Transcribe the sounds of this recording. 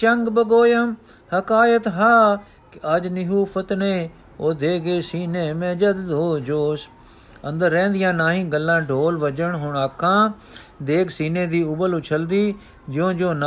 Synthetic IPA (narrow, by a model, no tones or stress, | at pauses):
t͡ʃəŋɡbəɡoːjəm | həkaːjət̪ɦaː | kɪəd͡ʒnɪɦuːpʰət̪neː | oːd̪eːɡeːsiːneːmɛ̃ːd͡ʒəd̪d̪oːd͡ʒoːs | ə̰̃nd̪əɾːɛ̃ːnd̪ɪjãːnaːɦĩːɡəlːãːɖʱoːlʋəd͡ʒəɳɦʊɳaːkʰːãː | d̪eːkʰsiːnẽːd̪iːʊbəlʊt͡ʃʰəld̪iː | d͡ʒɪõːd͡ʒoːn